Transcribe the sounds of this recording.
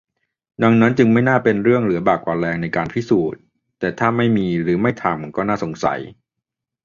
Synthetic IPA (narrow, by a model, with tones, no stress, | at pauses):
da˧ŋna˦˥nt͡ɕɯ˧ŋma˥˩jnaː˥˩pe˧nɾɯ˥˩əŋɾɯ˩˦ɐbaː˨˩k̚waː˨˧lɛː˧ŋna˧jkaː˧npʰi˦˥˩suː˨˩t̪̚ː | ɛː˨˩t̪ʰaː˥˩ma˥˩jmiː˧ɾɯː˩˦ma˥˩jt̪ʰa˧mkɔː˥˩naː˥˩so˩˦ŋsa̰˩˦j